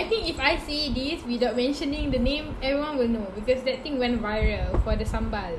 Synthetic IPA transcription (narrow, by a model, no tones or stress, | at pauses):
ajt̪ĩŋkifajsediswidaʊt̚mɛ̃nʃə̃nĩŋdənẽmɛvɹiwãnwilnobikɔsdɛt̚t̪ĩŋwɛ̃ntvajɹəlfɔdəsãmbal